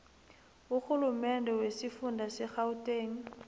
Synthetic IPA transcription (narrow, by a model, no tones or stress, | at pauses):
uxulumɛndɛwesɪfundʱasɛxautʼeːŋ̩